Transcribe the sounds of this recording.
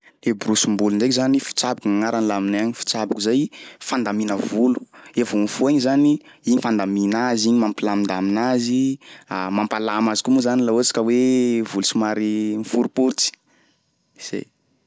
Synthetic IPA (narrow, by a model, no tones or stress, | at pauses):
lebrusumbulund͡ʒekzanifi̥t͡sabḁkuŋaŋaɾanilaminaɲifi̥t͡sabakuzajfand̪aminəvulu̥evunfuaɲizaniiɲifand̪aminaziɲimampilamind̪aminaziamampalamazi̥kumuzanilaot͡si̥kəwevulusimaɾimfuɾupuɾt͡si̥ | z̥ḛ